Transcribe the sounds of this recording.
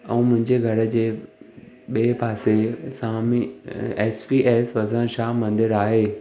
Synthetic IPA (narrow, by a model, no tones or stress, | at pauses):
ɛ̃ũːmʊ̃ɦɪ̃ɲd͡ʑeɡʱɐɽə̆d͡ʑeː | ɓiːpaːsesãːmiɛːspiːʔeːsʋɐsãʃaːmɐ̃nd̪ɪɾaːɦeː